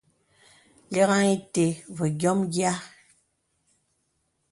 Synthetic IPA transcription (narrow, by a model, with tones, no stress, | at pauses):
le˦ɣa˦ŋi˦te˨βɔ˨ɡʲjɔ˦mɡja˦